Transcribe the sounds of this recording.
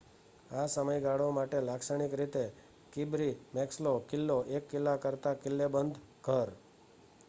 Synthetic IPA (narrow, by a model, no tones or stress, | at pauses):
asəməjɡaɽomaʈelaksəɳ̃ikɾit̪e | kibɾimɛkslokɪlːoʔekːɪlːakəɾt̪akɪlːebənd̪ʱ | ɡʱəɾ